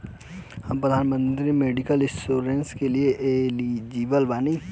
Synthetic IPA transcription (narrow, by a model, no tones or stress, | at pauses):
hɐmpɾəd̪ʱaːnmə̃nt̪ɾimeːɖɪkəlɪ̃oːɾenskelieʔelid͡ʒiːʋəlbaːni